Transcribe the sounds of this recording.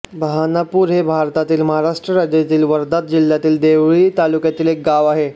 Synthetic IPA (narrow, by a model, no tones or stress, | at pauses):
bəɦanapuːɾɦebʱaɾt̪at̪iːlməɦaɾaʂʈɾəɾad͡ʑjat̪iːlʋəɾd̪at̪̚d͡ʑil̤jat̪iːld̪eʋɭiːt̪alukjat̪iːlek̚ɡaʋaɦe